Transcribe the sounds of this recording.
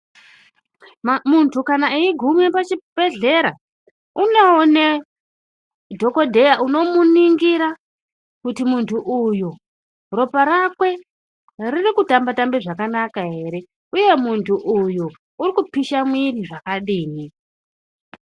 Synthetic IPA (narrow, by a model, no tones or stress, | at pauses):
muntʰukanaiiɡʱumjepat͡ʃib̥ʱe̞ɮe̞ɾa | unone | dʱo̞ko̞dʱe̞jaʔuno̞muniŋɡiɾa | kutimuntʰuʔuju | ro̞paɾakwe̞ | ririkutambatambeʐakanakaɦe̞ɾe̞ | uje̞muntuʔuju | urikupiʃamwiriʐakaɗiːni